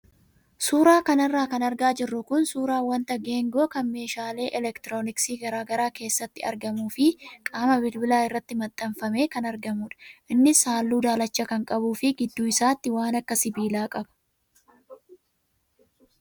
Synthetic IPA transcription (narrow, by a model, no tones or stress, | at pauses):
suːɾaːkɐnɐrːaːkɐnɐɾɡaːd͡ʒɪrːʊkʊnsuːɾaːwɐnt̪ɐɡeːŋɡo̞ːkɐnme̞ːʃaːle̞ːʔɛlɛkt̪ɪɾo̞ːnɪksiːɡɐɾaːɡɐɾaːke̞ːsːɐt̪ːɪɐ̰ɾɡɐmuːfɪkʼaːmɐbɪlbɪlaːɪrːɐt̪ːɪmɐt̪ʼːɐmfɐme̞ːkɐnɐɾɡɐmuːᶑɐ̥ʔɪnːɪsaːlːuːd̪aːlɐt͡ʃːɐkɐŋkʼɐbuːfɪɡɪd̪ːuːɪsaːt̪ːɪwaːnɐkːɐsɪbiːlaːkʼɐbɐ̥